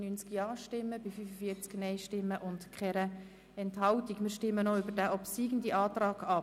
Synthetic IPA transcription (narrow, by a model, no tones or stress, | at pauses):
nynt͡skjɑːʃtɪmːəbɪfyfəfiːəɾt͡sknɛɪʃtɪmːəʔʊntkχɛɾə | ɛnthɑltikmɪːɾʃtɪmːənɔʏbəɾdæʔɔpsiːɡən̩diʔɑːtrɑːɡɑ